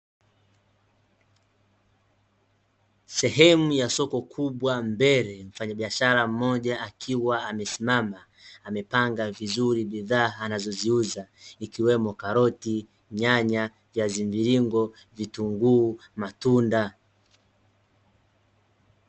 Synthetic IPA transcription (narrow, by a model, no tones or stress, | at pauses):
sɛɦɛmujasɔkɔkʰuɓwambɛɾɛɱ̩faɲaɓiaʃaɾam̩mɔʄaʔakʰiwaːmɛsimamaː | mɛpaŋɡavizuɾiɓiðaːnazɔziuzaikiwɛmɔkaɾɔti | ɲaɲa | vjazimviɾiŋɡɔ | vituŋɡuːmatunda